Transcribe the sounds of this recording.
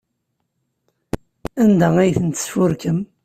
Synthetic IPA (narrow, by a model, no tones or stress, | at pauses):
ænd̪ææjθənt̪ə̥sfʊɾkəm